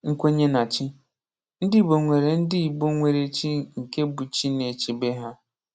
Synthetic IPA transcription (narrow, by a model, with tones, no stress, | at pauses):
ŋ̩˦kʷe˦ɲe˦na˨t͡ʃi˦ | n̩˦dɪ˦˨bo˨ŋʷe˨ɾe˨n̩˦dɪ˦i˨bo˦ŋʷe˨ɾe˨t͡ʃi˦ŋ̩˨ke˦bu˨t͡ʃi˦ne˨t͡ʃi˦be˦ɦa˦